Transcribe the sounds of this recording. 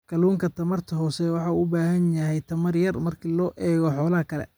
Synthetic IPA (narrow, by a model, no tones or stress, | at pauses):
kʰɐluːŋkʰɐt̪ʰɐmɐrt̪ʰɐɦɔːsɛwɑħɑuʊbaːhɐnjɐɦɛjt̪ʰɐmɐrjɐrmɐrkʰiːlɔːʔɛːɣɔħɔːlɐɦɐkʰɐlɛ̰